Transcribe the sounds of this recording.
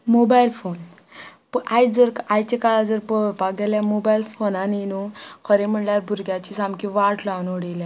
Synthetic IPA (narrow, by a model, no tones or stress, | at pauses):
mobajlfon | pajd͡zəɾkajt͡ɕekaɭad͡zəɾpəpaɡeljamobailfonaninukʰəɾem̤əɳljaɾbʱuɾɡjat͡ɕisamkiʋaʈʰlanoɽilja